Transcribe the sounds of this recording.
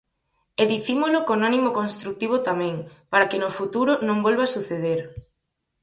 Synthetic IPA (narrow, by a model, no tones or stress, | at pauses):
eðiθimolokonanimokonst̪ɾuk̚t̪iβ̞ot̪amɛ̃ŋpaɾakenofut̪uɾonõŋbolβasuθeðeɾ